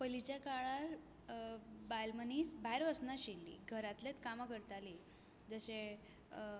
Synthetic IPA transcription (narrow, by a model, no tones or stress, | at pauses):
pəlit͡ɕakaɭaɾ | balmənisbʱajɾʋəsnaɕilːḭɡʱəɾat̪let̪kamakəɾt̪ali | d͡zəɕẽ